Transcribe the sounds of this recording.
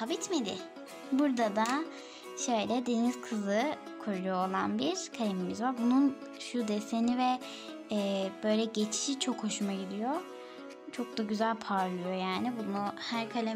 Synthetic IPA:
avit̪med̪ɪ̰ | buɾd̪ad̪a | ʃø̞jlʲɛd̪e̞niz̥kʰɯzɯ | kʰuɾuujoːlˠanbiɾ̥kʰalʲimimizvaɾbunun | ʃud̪esenivɛː | b̥ø̞jlʲɛɟe̞t͡ʃʰi̥ʃit͡ʃʰo̞kho̞ʃumaɟid̪ijo | t͡ʃʰo̞k̚d̪aɟyzælʲpʰaɾlˠɯjo̞jaːnibunuhæɾkʰalʲe

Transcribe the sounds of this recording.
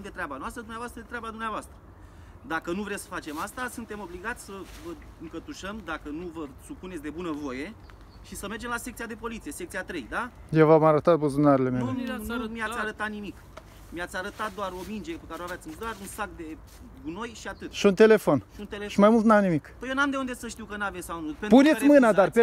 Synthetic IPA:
d̪e̞t̪ɾeabanoast̪ɾəd̪umneavoast̪ɾəd̪et̪ɾeabad̪umneavoast̪ɾə | d̪akənuvɾe̞ssə̥fat͡ʃe̞mast̪asunt̪e̞mo̞bliɡat̪sʲsəvə | ɨŋkət̪uʃəmd̪akənuvəsupune̞tsʲd̪e̞bunəvo̞je̞ | ʃisəmerd͡ʒe̞mlasek̚t̪ijad̪e̞po̞lit̪sije̞se̞k̚t̪siat̪ɾe̞jd̪ajewvamaɾət̪at̪̚bəzunaɾele̞meleumiasʲaɾət̪at̪nimik | miat̪sʲaɾət̪at̪̚d̪oaɾo̞mind͡ʒepekaɾeoaveat̪ʲind̪owaɾunsakd̪e̞ | ɡuno̞jʃiat̪ɨt̪ʃiunt̪e̞le̞fo̞nnʃimajmult̪namnimikpəjenamd̪eund̪e̞səʃt̪iwkənavesawnupepunet̪ʲmɨad̪arpe

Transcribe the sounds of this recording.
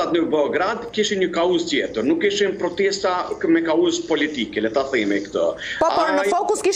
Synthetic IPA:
at̪nəbɛɔɡɾad̪kiʃiɲəkauzt̪jɛt̪əɾnukːiʃimpɾɔt̪ɛst̪akəmɛkauzpɔlit̪ikɛlɛt̪aθɛmɛkt̪ə̰pɔaɔnəfɔkuskiʃ

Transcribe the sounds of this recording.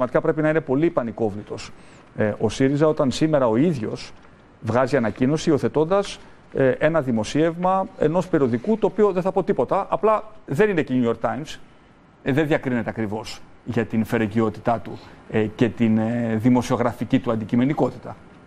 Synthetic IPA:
mɐt̪i̥kɐpɾe̞pinɐine̞po̞lipɐniko̞vlit̪o̞s | ʔo̞siɾizɐo̞t̪ɐnsime̞ɾɐo̞iðʝo̞̰s | vɣɐziɐnɐcino̞siːo̞θe̞t̪o̞nd̪ɐs | ʔe̞nɐðimo̞sie̞vmɐe̞̰no̞spe̞ɾio̞ðikut̪oːpio̞ðeθɐpo̞t̪ipo̞t̪ɐʔɐplɐðe̞nine̞ceɲuoɾk̚t̪ɐjms | ðe̞nðʝɐkɾine̞t̪eɐkɾivo̞sʝɐt̪infe̞ɾeʝio̞t̪i̥t̪ɐt̪uce̞t̪inðimo̞sio̞ɣɾɐficit̪uɐnd̪icime̞niko̞t̪i̥t̪ɐ

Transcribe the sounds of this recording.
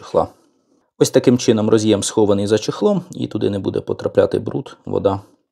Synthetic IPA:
xlˠɑ̰ | ɔsʲt̪ɐkɪmt͡ʃɪnɔmrɔzʲijɛmsxɔʋɐnɪjzɐt͡ʃɪxlˠɔmḭt̪ʊd̪ɪnɛbud̪ɛ̰pɔt̪ɾɐplʲa̰t̪ɪ̰bɾut̪ʋɔ̰d̪ɑ

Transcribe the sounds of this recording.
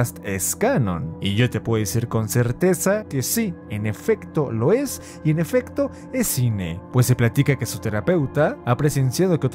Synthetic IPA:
st̪eskanõ̞̰niʝo̞t̪e̞pweðoesiɾko̞nse̞ɾt̪e̞sake̞siene̞fe̞kt̪o̞lo̞e̞s | ie̞ne̞fe̞kt̪o̞ | esinḛpwe̞sːeplat̪ikake̞sut̪e̞ɾape̞wt̪aapɾe̞se̞nsjað̞okeot̪

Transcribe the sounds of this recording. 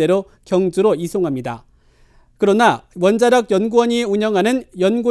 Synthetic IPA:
e̞ɾo | kjʌŋd͡ʑuɾoisʰoŋɦamɲida | kɯɾʌnawʌnd͡ʑaɾjʌɡjʌnɡuwʌɲiuɲʌŋɦanɯnjʌnɡu

